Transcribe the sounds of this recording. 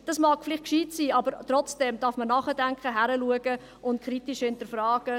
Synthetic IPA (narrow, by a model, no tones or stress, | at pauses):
d̥ɑsmɑːkflɪχt̚kʃiːtsiːɑbəɾtɾɔt͡sd̥ɛmd̥ɑːɾfmənɑːχədæŋkχəɦæɾəluəɡə | ʔʊntkχɾitiʃhɪntəɾfɾɑːɡ̥ə